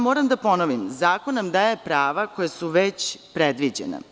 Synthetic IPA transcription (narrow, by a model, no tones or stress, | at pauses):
mo̞ːɾamd̪apo̞noʋimzaːkonnamd̪ajepɾaːʋakojesuʋet͡ɕpɾed̪ʋid͡ʑḛnḛ